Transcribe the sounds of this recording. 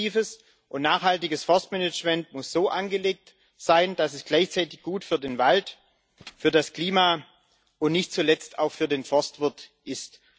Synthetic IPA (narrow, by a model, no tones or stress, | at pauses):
iːfəs | ʔʊntnaːχhaltɪɡəsfɔɐstmɛnɪt͡ʃmɛntmʊsz̥oːʔanɡəleːk̚t | z̥aɪnd̥asɛsɡ̥laɪçt͡saɪtɪçɡ̥uːtfyːɐdeːnvalt | fyːɐdaskl̥iːmaː | ʔʊntnɪçtt͡sulɛt͡sta̰ʊxfyːɐdeːnfɔɐstv̥ɪɐtʔɪst